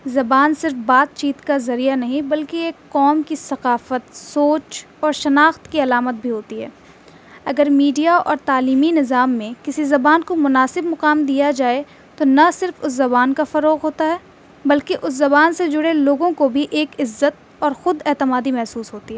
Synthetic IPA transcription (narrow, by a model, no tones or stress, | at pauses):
zɐbaːnsɪɾfbaːt̪̚t͡ʃiːt̪kazɐɾijanɐɦĩbɐlkeeːkːɔːmkisɐqaːfət̪soːt͡ʃ | ɔːɾʃɐnaːxt̪kiɐlaːmət̪̚bʱiɦoːt̪iɦɛ̰ː | ɐɡəɾmiːɖijaɔ̰ːɾt̪aːliːminɪzaːmːẽkɪsizɐbaːnkomʊnaːsɪbmʊqaːmd̪ijad͡ʒaːe | t̪onɐsɪɾfʊs̬zɐbaːnkafɐɾoːɣɦoːt̪aɦɛː | bɐlkeʔʊszɐβaːnsed͡ʒʊɽeloːɡõkobʱiʔeːkɪzːət̪̚ | ɔːɾxʊd̪ɛːt̪ɪmaːd̪imɛɦsuːsɦoːt̪iɦɛɛː